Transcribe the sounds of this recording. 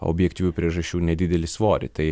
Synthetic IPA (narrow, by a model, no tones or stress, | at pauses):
o̰bʲjɛkt̪ʲiːʋʲuːpʲɾʲiɛʒɐʃʲt͡ʃʲuːnʲɛd̪ʲɪd̪ʲɛlʲɪsʋoːɾʲɪ̰t̪ɐɪ